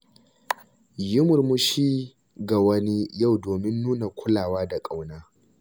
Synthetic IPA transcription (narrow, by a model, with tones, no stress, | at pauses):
jʊ˦mʊ˨rmʊ˦ʃiː˦ | ɡa˨wɐ˦ni˦ja˦˨wdoː˨mɪ˦nːuː˦na˨kʷʰʊ˦laː˨waː˦da˨kʼa˨wnaː˦